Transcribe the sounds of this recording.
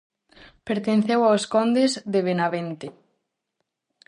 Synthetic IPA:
peɾt̪enθewaoskɔnd̪ezðeβenaβent̪e

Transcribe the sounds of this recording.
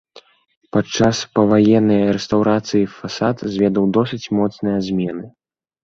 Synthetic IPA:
pat͡ʂːaspɐvajɛnːɐjɾɛst̪awɾat̪sɨjifasat̪zʲvʲɛd̪ɐwd̪ɔsɨt͡sʲmɔt̪snɨjɐzʲmʲɛnɨ

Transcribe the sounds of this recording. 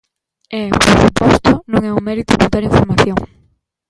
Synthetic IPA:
ɛpoɾsupɔst̪ʊnõŋɛumɛɾit̪ʊkot̪aɾiɱfoɾmaθjoŋ

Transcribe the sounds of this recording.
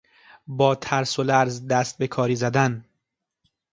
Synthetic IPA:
bɒːt̪ʰæɾsolæɾzd̪æst̪̚be̞kʰɒːɾiːzæd̪æn

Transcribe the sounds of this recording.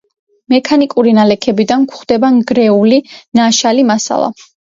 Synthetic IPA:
mɛkʰanikʼuɾinalɛkʰɛbid̪ankʰχd̪ɛbaŋɡɾɛulinaʃalimasa̰lˠa̰

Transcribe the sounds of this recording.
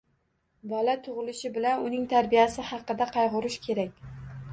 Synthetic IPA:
balat̪ʰʊʁɨlɪʃɪbɪlanʊnɪŋt̪ʰaɾbijasɪhɑqɨd̪aqʰɑjʁʊɾɪʃkʲʰe̞ɾakʲ

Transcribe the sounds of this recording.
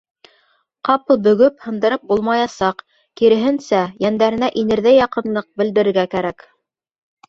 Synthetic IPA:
qɑpɤlˠbɵ̆ɡɵphɤ̆nd̪ɤ̆ɾɤp̚bulˠmɑjɑsɑq | kiɾɘ̆ɦɘnsæjænd̪æɾɘ̆næʔinɘ̆ɾðæjɑqɤ̆nlˠɤq̚bɘ̆ld̪ɘ̆ɾɘ̆ɾɡækæɾæk

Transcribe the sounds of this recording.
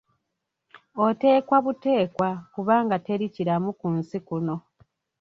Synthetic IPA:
o̞te̞ːkwaβute̞ːkwakuβaːŋɡate̞ɾiciɾamukunsikuno̞

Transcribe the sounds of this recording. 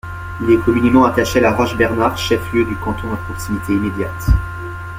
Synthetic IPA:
ilɛkɔmynemɑ̃at̪aʃealaʁɔʒbɛʁnaʁʃɛfljød̪ykɑ̃t̪ɔ̃d̪əpχɔksimit̪ʰeimed̪jat̪

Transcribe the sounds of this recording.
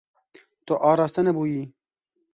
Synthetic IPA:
t̪oʔɑːɾɑːst̪ɐnɐbuːjiː

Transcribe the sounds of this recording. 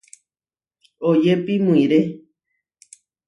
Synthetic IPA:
od͡ʒepimũĩɾe

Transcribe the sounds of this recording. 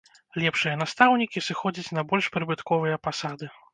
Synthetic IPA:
lʲɛpʂɨjɐnast̪awnʲikʲisɨxɔd͡zʲit͡sʲnɐbɔlʲʂpɾɨbɨt̪kɔvɨjɐpasad̪ɨ

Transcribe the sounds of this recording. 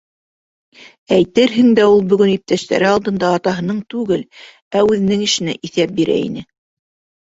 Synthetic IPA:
æjt̪ɘɾɦɘ̆ŋd̪æulˠbɵ̆ɡɵnip̚t̪æʃt̪æ̰ɾɘɑlˠd̪ɤ̆nd̪ɑːt̪ɑɦɤ̆nɤɴt̪ʉɡɘl | æʉðɘ̆nɘŋɘ̆ʃɘ̆næ̰ʔiθæp̚biɾæ̰ḭnɘ

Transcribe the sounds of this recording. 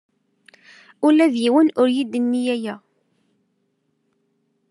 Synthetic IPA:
ulæðjiwənʊɾjid̪ənːijæjæ

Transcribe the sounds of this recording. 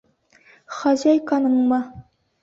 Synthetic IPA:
χɑʑɑjkɑnɤɴmɑ

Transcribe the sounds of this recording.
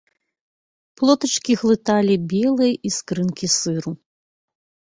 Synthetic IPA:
plˠɔt̪ɐt͡ʂkʲiɣlˠɨt̪alʲibʲɛlˠɨjʔiskɾɨnkʲisɨɾu

